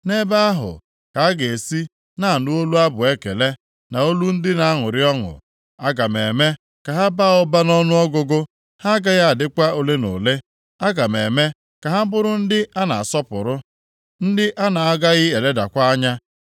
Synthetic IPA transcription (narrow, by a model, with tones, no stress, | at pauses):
ne˦ba˦a˦ɦʊ̰˨ | ka˨a˦ɡe˨e˨si˦ | na˦˨a˨nʊ˦o˦lu˦a˦bʊ˨e˦kḛ˨le˦ | na˨o˦lu˦n̩˦dɪ˦na˨a˦ŋʊ˨ɾɪ˦ɔ˦ŋʊ̰˨ | a˦ɡa˨me˨me˦ | ka˨ɦa˦ba˦˨ɔ˦ba˦nɔ˦nʊ˦ɔ˦ɡʊ˦ɡʊ˦ | ha˦ɡa˦ja˦a˨dɪ˦kʷa˦o˦le˦no̰˨le˦ | a˦ɡa˨me˨me˦ | ka˨ɦa˦m̩˦bʊ˦ɾʊ˦n̩˦dɪ˦ʔa˦na˨a˨sɔ˦pʊ̰˨ɾʊ˦ | n̩˦dɪ˦ʔa˦na˨a˦ɡa˦ɣɪ˦e˨le˦da̰˨kʷa˦ɲa˦